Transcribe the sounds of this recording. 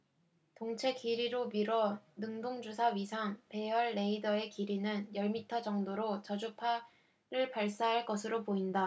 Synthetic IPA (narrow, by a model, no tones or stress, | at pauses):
toŋt͡ɕʰe̞kiɾiɾomiɾwʌnɯŋdoŋd͡ʑusʰaɥisʰaŋpe̞jʌɭːe̞idʌe̞kiɾinɯnjʌɭmitʰʌd͡ʑʌŋdoɾot͡ɕʌd͡ʑupʰa | ɾɯɭpaɭs͈aɦaɭk͈ʌsʰɯɾopoinda